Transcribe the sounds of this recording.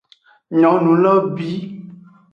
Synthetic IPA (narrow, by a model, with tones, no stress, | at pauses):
ɲɔ̃˨˦nũ˨˦lɔ˦bi˦